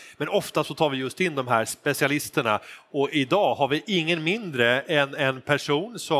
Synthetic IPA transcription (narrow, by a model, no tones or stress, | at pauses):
mɛnɔft̪asɔt̪ʰɑːɾvɪjɵst̪ɪnːd̪ɔmɦæːɾspɛsɪalɪst̪əɳaɔɪd̪ɑːhaɾvɪʔɪŋːənmɪnd̪ɾəɛnɛnpʰæʂuːnsɔ